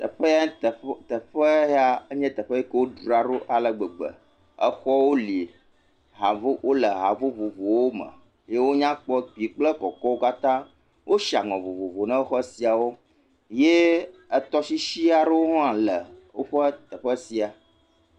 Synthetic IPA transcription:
t̪ə̰˨ɸə˦t̪t̪ə˨ɸə˦ɦa˨ə˦ɲɛ̃˦t̪ə˨ɸə˦je˦kə˦wo˦ɖɾu˨a˨ɖo˦ʔa˨lə˨ɡ͡bə˨ɡ͡bə̰˨ | ə˦xɔ˦wo˦li˨ | ɦa˨vo˦wo˦lə˨ɦa˨vo˦vo˨vo˨wo˦mə̰˨ | je˦wo˦ɲã˦k͡pɔ˦ɡ͡bi˨k͡plə˦kɔ˨kɔ˦wo˦ka˦t̪ã˦ | wʔo˦ʃi˨a̰˨ŋɔ̃˨vo˨vo˨vo˨nã˦xɔ˦si˨a˨wo˦ | je˦ə˦t̪ɔ˦si˦ʃi˦a˨ɖə˦wo˦ɦɔ̃˦a˨lə˨wo̰˦ɸə˦t̪ə˨ɸə˦si˨a˨

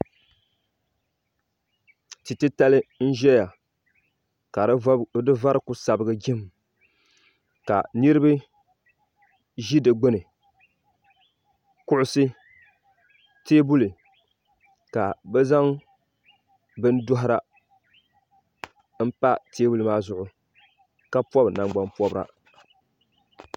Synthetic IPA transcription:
ti˨tɨ˦ta˦lɨ˦n̩˦ʒɛ˦ja˨ | ka˨˦dɨ˦va˦ɾɨ˦ku˦sa˨bɨ˦ɡɨ˦d͡ʒɪ˦m˨ | ka̰˨ni˦ɾɨ˦bɨ˦ | ʒi˦dɨ˨ɡ͡bʊ˦nɨ˨ | kʊ˦ʔʊ˦sɨ˦ | teː˦bu˦lɨ˨ | ka˨bɛ˦za˦ŋ | bɨ˦n˦dʊ˦ɦɪ˦ɾa˦ | m̩˦pa˦tʰeː˦bu˦lɨ˨maː˦zʊ˨ʔʊ˦ | ka˦pɔ˦bna˨ŋ͡mɡ͡ba˦mpɔ˦bɾa̰˨

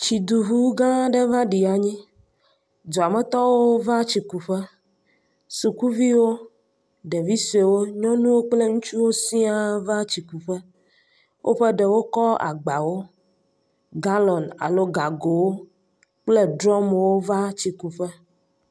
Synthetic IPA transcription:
t͡ɕi˨d̪u˨ɦu˦ɡã˦ɖe˦vã˦ɖi˨a˨ɲĩ˦ | d̪ɔ˨a˨mɛ˨t̪ɔ˦wo˦va˦t͡ɕi˨ku˨ɸe˦ | su˨ku˦vi˦wo˦ | ɖe˨vi˦se˨wo˦ɲɔ̃˦nũ˦wo˦k͡ple˦ŋũ˦t͡ʃu˦wo˦sĩ˦a˨va˦t͡ɕi˨ku˨ɸɛ˦ | wʔo̰˦ɸe˦ɖe˨wo˦kɔ˦a̰˨ɡ͡ba˨wo˦ | ɡa˦lɔ˨na̰˨lo˦ɡa˨ɡo˨wo˦ | k͡ple˦ɖɾɔ˦mwo˦va˦t͡ɕi˨ku˨ɸɛ˦

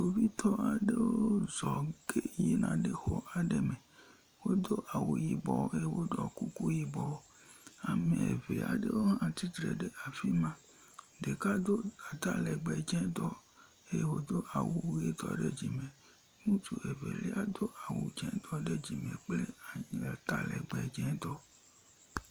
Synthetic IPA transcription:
o˨vi˦t̪ʰɔ˦a˨ɖe˦woo˦zɔ˨ke˦ji˦nã˨ɖe˦xo˦ʔa˨ɖe˦me˨ | wo˦d̪o˦ʔa˨wu˨ji˨bɔ˨˦e˦je˦wo˦ɖɔ˨ku˦ku˦ji˦bɔ˨w | a˨mẽ˨e˨ve˨a̰˨ɖe˦wo˦ɦã˦t̪i˦t̪ɾḛ˨ɖe˦ʔa˨fi˦mã˦ | ɖe˨ka˦d̪o˦a˨t̪a˦lɛ˨ɡ͡bɛ˨d͡ʒɛ̃˦t̪ɔ˦ | e˦je˦wo˦d̪o˦ʔa˨wu˦je˦t̪ɔ̰˦ɖe˦d͡ʒi˨mẽ˨ | mũ˦t̪u˨e˨vḛ˨lḛ˦a˦d̪o˦ʔa˨wṵ˨d͡ʒɛ̃˦t̪ɔ˦ɖe˦d͡ʒi˨mẽ˨k͡ple˦a˨ɲ˨a˨t̪a̰˦lɛ̰˨ɡ͡bɛ˨d͡ʒɛ̃˦d̪ɔ˦

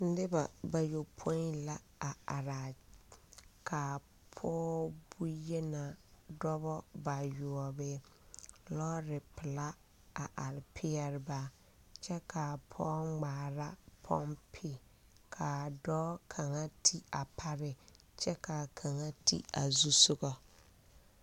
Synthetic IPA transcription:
n̩˦dɪ˦ba̰˨ba˨jo˨pʰo˦i˦la˦ | a˨a˨ɾa˨ | kʰa˨ | pʰɔː˦bu˦jɛ˦na˨dɔ˦bɔ˦ba˨jʊ˨ɔ˨bɪ˦ | lɔ˦ɾɪ˨pɪ˨la˦ | a˨ʔa˨ɾɪ˨pʰɪ˦ɛ˦ɾɪ˦ba˦ | t͡ʃɛ˦kʰa˨pʰɔː˦ŋ͡maː˨ɾa˦pʰɔ˦mpʰɪ˨ | kʰa˨dɔ˦kʰa˨ŋa˦tʰi˦a˨pʰa˦ɾɪ˨ | t͡ʃɛ˦ka˨kʰa˨ŋa˦tʰḭ˦a̰˨zu˦sʊ˦ɣɔ˦

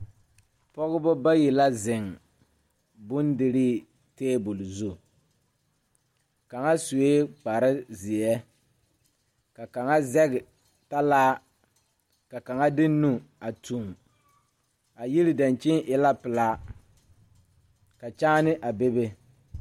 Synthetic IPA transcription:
pɔ˦ɣɪ˦bɔ˦ba˦ji˨la˦zɪ˨ŋ | bʊ˦ndɪ˨ɾi˦ | teː˦bʊ˨lzu˦˨ | ka˨ŋa˦su˨e˦k͡pa˨ɾɪ˦zɪ˨ɛ˦ | ka˨ka˨ŋa˦zɛ˦ɡɪ˨ | ta˦laː˦ | ka˨ka˨ŋa˦dɪ˦nːu˦a˨tʰu˨m | a˨ji˦ɾɪ˨da˨nt͡ʃɪ˦ŋʔɪ˨la˦pɪ˨la˦ | ka˨t͡ʃaː˦nɪ˦ʔa˨be˦be˦

